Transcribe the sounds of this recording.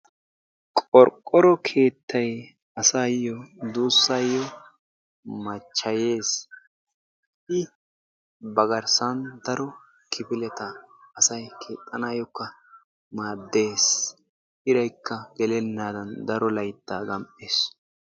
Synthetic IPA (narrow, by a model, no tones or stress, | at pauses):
kʼɔɾkʼːɔɾɔkʰe̞ːt̪ːɐj | ɐsaːjɔd̪uːsːajɔ | mɐt͡ʃːɐje̞ːs | ɪ | bɐɡɐɾsɐnd̪ɐɾɔ | kʰɪpɪlɛt̪ɐːsɐjkʰeːt̪ʼːɐnaːjɔkːɐ | maːd̪ːe̞ːs | ɪɾɐjkːɐɡɛlɛnːaːd̪ɐnd̪ɐɾɔlɐjt̪ːaːɡɐmpʼːeːs